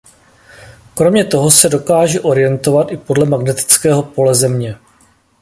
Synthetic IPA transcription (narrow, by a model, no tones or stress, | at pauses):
kɾo̞mɲɛt̪o̞ɦo̞sɛdo̞kaːʒɛʔo̞ɾɪjɛnt̪o̞vat̪ʔɪpo̞dlɛmaɡnɛt̪ɪ̥t͡skɛːɦo̞po̞lɛzɛmɲɛ